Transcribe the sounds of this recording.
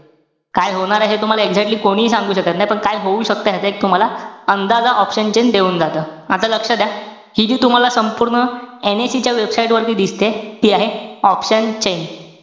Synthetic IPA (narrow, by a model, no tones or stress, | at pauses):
kajɦoɽ̃aɾaɦet̪um̤alaeɡd͡zɛk̚ʈliːkoɽ̃iːsãŋɡuːɕəkat̪naɦjpəɳkajɦouːɕək̚t̪əɦat̪əek̚t̪um̤alaənd̪ad͡zaʔɔpɕənt͡ɕend̪euːnd͡zat̪əːat̪aləkʂəd̪ja | hiːd͡ʑiːt̪um̤alasəmpuɾɳəenesit͡ɕjaʋebsajʈʋəɾt̪iːd̪ist̪et̪iːaɦeɔpɕənt͡ɕen